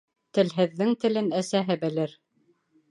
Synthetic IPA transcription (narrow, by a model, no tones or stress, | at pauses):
t̪ɘ̆lɦɘ̆ðːɘŋt̪ɘ̆lɘnæsæɦɘbɘ̆lɘɾ